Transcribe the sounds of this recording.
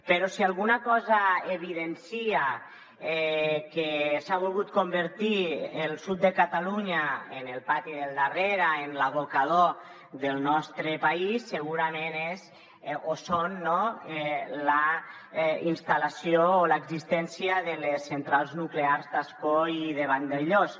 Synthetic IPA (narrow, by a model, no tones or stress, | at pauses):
peɾɔsialˠɣunakɔzaeβ̞iðensia | ɛkesaβ̞ulˠɣut̪̚kombəɾt̪ielˠsut̪̚d̪əkat̪aluɲaenelˠpat̪iðelˠd̪areɾaenlaβokaðo | ðəlˠnɔst̪ɾəpaisːəɣuɾamenez | osonːɔɛla | inst̪alasioːlaeɡzist̪ɛnsiəðəlesːent̪ɾalˠznukleaɾzd̪askoiðeβand̪eʎos